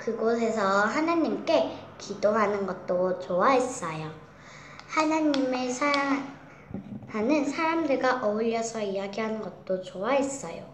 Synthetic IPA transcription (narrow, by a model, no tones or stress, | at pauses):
kɯɡos̬ʰe̞sʰʌɦanaɲːimk͈e̞kʰidoɦanɯnɡʌt̚t͈ot͡ɕoaɦes͈ʌjo | hanaɲːimesʰa | hanɯnsʰaɾamdɯɭɡaʔʌɯʎːʌsʰʌijaɡiɦanɯnɡʌt̚t͈ot͡ɕowaɦe̞s͈ʌjo